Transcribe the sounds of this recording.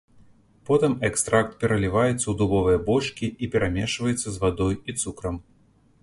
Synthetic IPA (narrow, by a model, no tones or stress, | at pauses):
pɔt̪ɨmɛkst̪ɾak̚t̪̚pʲɛɾɐlʲivajɛt̪sːɐwd̪ubɔvɨjɐbɔt͡ʂkʲiipʲɛɾʔamʲɛʂvɐjɛt̪sːɐzvad̪ɔjit̪sukɾɐm